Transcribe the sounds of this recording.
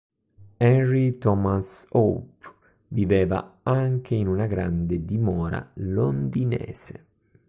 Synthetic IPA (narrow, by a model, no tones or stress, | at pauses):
ɛrːit̪ɔmasop | vivɛːva̰aŋkʰeinunaɡɾa̰nd̪ed̪imɔːɾa̰lond̪inɛ̰ːsḛ